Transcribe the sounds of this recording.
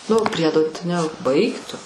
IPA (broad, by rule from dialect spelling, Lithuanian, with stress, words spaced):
nʊ ˈpʲrʲiɛdoː nʲɛ ˈbɐɪk tʊ